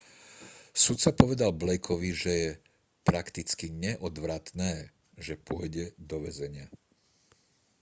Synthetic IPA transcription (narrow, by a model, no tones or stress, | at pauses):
sut̪t͡sapɔʋɛd̪alblɛjkʰɔʋiʒɛjɛ | pɾakt̪it͡skiɲɛʔɔd̪ʋɾat̪nɛː | ʒɛpʊɔjɟɛd̪ɔʋɛzɛɲɪa